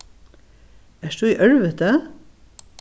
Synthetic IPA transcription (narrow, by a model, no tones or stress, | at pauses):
æːʃd̪ʉːiːʔœɹʋət̪ə